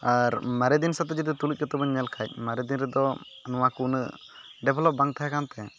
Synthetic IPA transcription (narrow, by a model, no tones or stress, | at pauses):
aɾmaɾɛd̪insat̪ɔd͡ʒid̪it̪ulic̚kt̪ɛbɔɲːɛlkʰac̚ˀmaɾɛd̪inɾɛd̪ɔ | nɔwakunə̰ | ɖɛbʱlɔp̚baŋt̪ʰaɦakant̪ɛ